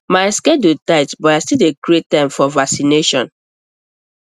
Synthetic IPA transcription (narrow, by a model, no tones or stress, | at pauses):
maɪskɛdutaɪtbɔtaɪstileɡɹet̚tːãɪ̃mfɔvaksineʃɔ̃n